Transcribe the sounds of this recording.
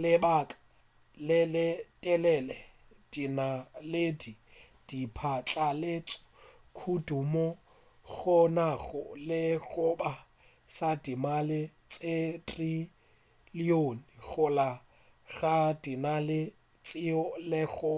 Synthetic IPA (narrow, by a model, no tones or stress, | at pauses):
lɪbakʼḁ | lɪlɪtʼɛlɛlɛ | d̥inaledi | d̥ipʰat͡ɬʼalɪt͡sʼɔ̥ | kʰudumɔ | ɣʊnaɣʊ̰lɪɣʊba | sadimalɪt͡sʼetʼri | lionɣʊla | ɣadinalɪ | t͡sʼɪɔlɪɣʊ